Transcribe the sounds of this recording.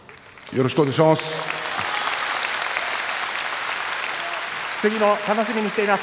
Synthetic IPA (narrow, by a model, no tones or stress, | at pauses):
jo̞ɾoɕi̥kɯoɲaɡiɕimas | sɨɡʲinot̪ano̞ɕimʲiɲ̟iɕi̥t̪eimas